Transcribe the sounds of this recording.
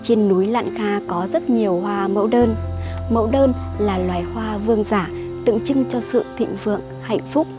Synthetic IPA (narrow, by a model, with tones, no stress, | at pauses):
t͡ɕe˧nːu˨˦jla̰ː˧˨nkaː˧kɔ˨˦zə˦˥t̚ɲi˨˩əwhwaː˧mə̰˧˥wɗəː˧n | mə̰˧˥wɗəː˧n | laː˨˩lwaː˨˩jhwaː˧vɨ˧əŋzaː˧˩ | t̪ɨ̰˧˨ŋt͡ɕɨ˧ŋt͡ɕɔ˧sɨ̰˧˨t̪ʰḭ˧˨ŋvɨ̰˧˨əŋ | ha̰˧˨jŋ̟fʊ˦˥k͡p̚